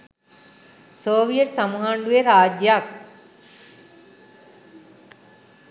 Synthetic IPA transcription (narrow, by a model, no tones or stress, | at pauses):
soːʋijəʈsamuɦaɳɖueɾaːd͡ʒjak̚